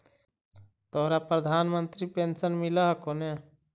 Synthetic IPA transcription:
t̪oɦɾapɾəd̪ʱaːnmənt̪ɾipensənmiləɦkone

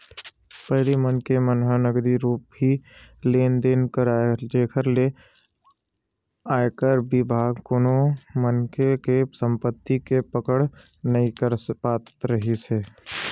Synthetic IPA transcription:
pəɦlimənkemənɦanəɡd̪iɾuːp̚ɦileːnd̪eːnkəɾad͡ʒeːkʰəɾle | aːekəɾbɪbʱaːɡkoːnomənkekesə̃mpət̪ːikepəkəɽ | nɐĩkəɾpaːt̪ɾəɦiseː

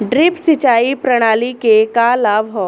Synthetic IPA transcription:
ɖɾɪpsɪt͡ʃaːipɾɐɽ̃aːlikekalaːʋɦɔː

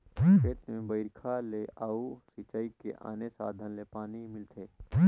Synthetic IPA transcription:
eːt̪mẽbəɪɾkʰaleaːusit͡ʃaːikḛʔa̰ːnesa̰ːd̪ʱənlepaːnimɪlt̪ʰeː

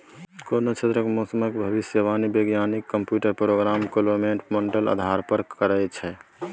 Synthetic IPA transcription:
konot͡ʃʰet̪ɾəkmosəməkbʱəʋisjəʋanibeɡjanikːəmpjuʈəɾpɾoɡɾamkoloɾmeɳʈməɳʈələ̰d̪ʱaɾpəɾkəɾət͡ʃʰɛ

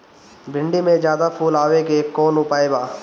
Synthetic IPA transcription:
bʱɪ̃ɳɖimẽd͡ʒjaːd̪apʰuːlaːʋekekːɔːnʊpaːebaː

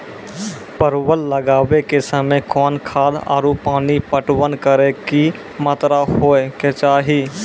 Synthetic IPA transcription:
pəɾwəlːəɡaːwekesəməjkɔːnkʰaːd̪a̰ːɾupaːnipəʈwənkəɾeki | mət̪ɾahoːeket͡ʃaːɦi

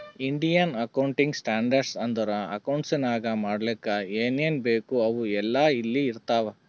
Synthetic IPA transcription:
iɳɖijɐnɐkɐwɳʈiŋɡsʈaːɳɖɐɾɖsɐnd̪ɐɾɐɐ̰kɐwɳʈsinaːɡɐmaːɽlikːɐeːneːnbeːkuɐʋuɛlːɐilːiːɾt̪aːʋe

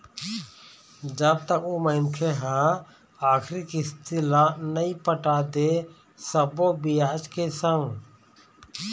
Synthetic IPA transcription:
d͡ʒəb̚t̪əkoːməɪnkʰeːɦãː | aːkʰɾiːkist̪ilaːnəĩːpəʈaːd̪eː | səboːbijaːd͡ʒkeːsə̃ŋɡ

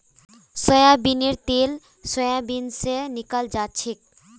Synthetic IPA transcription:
sɔjabineɾt̪el | sɔjabinsenikald͡ʑatːɕʰek̚

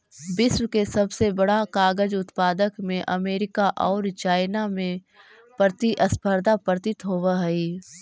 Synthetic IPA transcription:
bɪswkesɐbsebɐɽakaːɡəd͡ʒʊt̪paːd̪əkmẽʔɐmeːɾɪkaʔɔːɾt͡ʃaːɪnamẽ | pɾət̪iʔəspʰəɾd̪ʱapəɾt̪ɪt̪ɦoːwaɦɛiː

